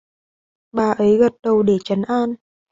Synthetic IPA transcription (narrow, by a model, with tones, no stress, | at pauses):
ɓaː˨˩ʔə˨˦jɣə˨˩t̚ɗə˨˩wɗe˧˩t͡ɕə˨˦nʔaː˧n